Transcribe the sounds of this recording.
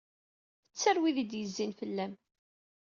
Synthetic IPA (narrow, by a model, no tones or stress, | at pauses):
ət͡sːəɾwiðid̪jəzːinfəlːæm